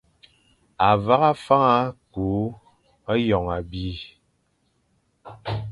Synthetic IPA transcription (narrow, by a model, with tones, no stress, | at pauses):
a˨va˦ɣa˦fa˦ŋa˦ku˨˦ | a˦jɔ˨ŋa˨bi˦